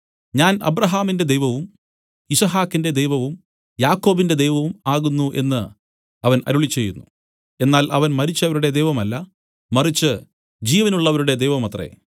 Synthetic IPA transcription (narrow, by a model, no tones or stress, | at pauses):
ɲaːnɐ̰brɐɦaːminde̞d̪ejʋɐʋum | isɐɦaːkːinde̞d̪e̞jʋɐʋum | jaːkːo̞ːbinde̞d̪ejʋɐʋumaːɣunːuʔe̞̰nːɨ | ɐʋɐnɐ̰ɾuɭit͡ɕːe̞jːunːu | e̞nːaːlʔɐʋɐnmɐɾit͡ɕːɐʋɐɾuɽe̞d̪e̞jʋɐmɐlːɐ | mɐrit͡ɕːɨ | d͡ʑiːʋɐnuɭːɐʋɐɾuɽe̞d̪ejʋɐmɐt̪rḛ